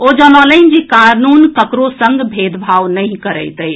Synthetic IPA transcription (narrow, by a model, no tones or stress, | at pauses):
od͡ʒənələnd͡ʒekanunkəkɾosəŋɡbʱed̪bʱaʋnəɪ̃kəɾəjt̪əj